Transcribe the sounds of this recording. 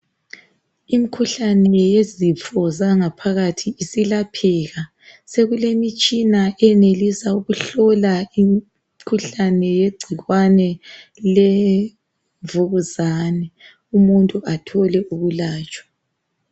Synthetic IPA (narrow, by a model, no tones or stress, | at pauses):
imikʰuɬanɛjezifɔzaŋapʰaɣatʰiːsilapʰɛɣa | seɣulemit͡ʃʼinaʔɛnelisauɣuɬɔlaim | kʰuɬanɛjeɡ͡ǀʱiɣwanɛle | ɱvuɣuzaːnɛ | umuntʼuatʰɔlɛuɣulaːt͡ʃʼwḁ